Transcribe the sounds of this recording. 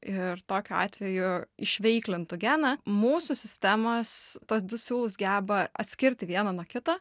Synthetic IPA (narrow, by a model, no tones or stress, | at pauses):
ɪrt̪oːkʲʊɑ̰ːt̪ʲʋʲɛjʊɪʃʲʋʲɛɪklʲɪnt̪ʊɡʲæːnɐmuːsʊsʲɪsʲt̪ʲæmɐst̪uːs̬d̪ʊsʲuːlˠʊsɡʲæːbɐɐt̪ʲsʲkʲɪɾʲt̪ʲɪʋʲiɛnɐnuɔkʲɪt̪ɐ